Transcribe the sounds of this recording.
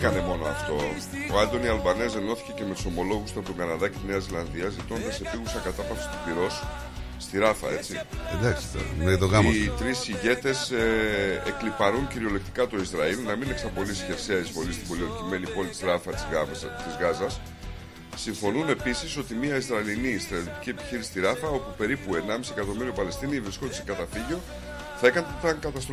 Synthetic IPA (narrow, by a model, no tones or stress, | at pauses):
kɐne̞mo̞noɐ̰ft̪o̞ | ɐnd̪o̞niɐlbɐnese̞no̞θi̥ce̞ce̞met̪u̥so̞mo̞lo̞ɣust̪ɐt̪oŋɡɐnɐðɐcet̪ineɐizilɐnðiɐzit̪o̞nd̪ɐsepiɣusɐkɐt̪ɐtɐfi̥st̪uipiɾo̞sː | t̪iɾɐfɐ̰e̞t͡sied̪ɐksi̥t̪net̪oɣɐmɐt̪ɾisiʝe̞t̪e̞seeklipɐɾuɲciɾio̞lek̚t̪ikɐt̪o̞izɾɐilnɐmineksɐpo̞lisçe̞fseɐizvo̞list̪ibo̞lioɾt̪ime̞nipo̞lit̪izɾɐfɐt̪izɣɐzɐsː | iɱfo̞nune̞pisiso̞t̪imiɐizɾɐilinist̪ɾɐt̪iot̪icie̞pi̥çiɾisi̥st̪iɾɐfɐo̞pupe̞ɾipue̞nɐmisie̞kɐt̪o̞miɾiopɐle̞st̪inivɾisko̞t̪i̥sikɐt̪ɐfiʝio̞ | θɐekɐnt̪ɐŋkɐt̪ɐst̪ɾ